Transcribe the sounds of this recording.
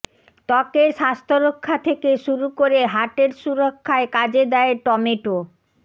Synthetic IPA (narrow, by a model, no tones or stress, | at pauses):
t̪ɔkeʃast̪ʰoɾokʰːat̪ʰekeʃuɾukoɾeɦaʈeɾʃuɾokʰːaekad͡ʑed̪ɛeʈɔmeʈo